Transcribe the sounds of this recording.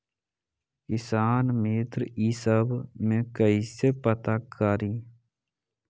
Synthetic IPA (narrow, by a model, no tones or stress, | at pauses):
kɪsaːnmeːt̪ɾəiːsəbmẽkəisepət̪akaːɾiː